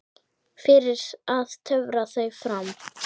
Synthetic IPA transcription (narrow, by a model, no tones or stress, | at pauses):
fɪɾɪɾ̥aðt̪ʰœvɾaθœɥfɾam